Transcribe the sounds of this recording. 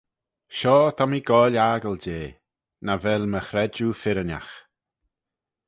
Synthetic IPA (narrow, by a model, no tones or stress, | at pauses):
ʃɔːt̪ʰamiɡ̥ɔːlʲaːɡəld͡ʒeː | navɛlməxɾɛd͡ʒufɪɾəna̰x